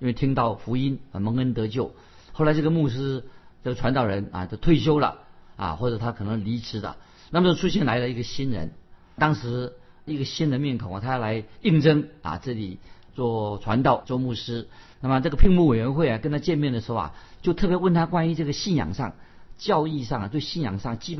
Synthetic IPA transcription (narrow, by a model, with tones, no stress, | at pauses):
i˥nwe˥˩ɪt̪ʰi˥ŋt̪ɑ˥˩ʊfu˧˥i˥nɐ˨˩mɤ˧˥ŋə˥nt̪ɤ˧˥t͡ɕjo˥˩ʊ | xo˥˩ʊla˧˥ɪʈ͡ʂɤ˥˩ə˧mu˥˩ʂ̬ɻ̩˥ʈ͡ʂɤ˥˩ɡə˩ʈ͡ʂʰwa˧˥nt̪ɑ˨˩ʊɻə˧˥nɐ̰˨˩t͡ɕjʊt̪ʰwe˥˩ɪɕ̬jo˥ʊlə̰˨ɐ̰˨˩xwɔ˥˩ʈ͡ʂɤ˨˩t̪ʰa˥kʰɤ˨˩nɤ˧˥ŋli˧˥ʈ͡ʂʰɻ̩˧˥d̪ə̰˨ | na˥˩mə˨t͡ɕjo˥˩ʈ͡ʂʰu˥ɕ̬jɛ˥˩nla˧˥ɪlə˧i˧˥ɡə˨˧ɕi˥nɻə̰˧˥n | t̪ɑ˥ŋʂɻ̩˧˥ | i˧˥ɡə˨ɕi˥nə˨˧nmjɛ˥˩nkʰo˨˩t̪ʰa˥˧la˧˥ɪi˥˩ŋʈ͡ʂɤ˥ŋaɐ̰˨˩ʈ͡ʂɤ˥˩li˨˩ | t͡swɔ˥˩ʈ͡ʂʰwa˧˥nt̪ɑ˥˩ʊt͡swɔ˥˧mu˥˩ʂɻ̩˥na˥˩mə˩ʈ͡ʂɤ˥˩ɡə˩pʰi˥˧ŋmu˥˩we˨˩ɪɥɛ˧˥nxwe˥˩ɪɐ˩kə˥nt̪ʰa˥t͡ɕjɛ˥˧nmjɛ˥˩nd̪ə˩ʂɻ̩˧˥xo˧ʊɐ̰˨˩t͡ɕjo˥˧ʊt̪ʰɤ˥˩pjɛ˧˥wə˥˩nt̪ʰa˥kwa˥ny˧˥ʈ͡ʂɤ˥˩ɡə˩ɕi˥˩njɑ̰˨˩ŋʂɑ̰˥˩ŋt͡ɕjɑ˥˧ʊi˥˧ʂɑ˥˩ŋ˨˩t̪we˥˧ɪɕi˥˩njɑ̰˨˩ŋʂɑ˥˩ŋt͡ɕi˥p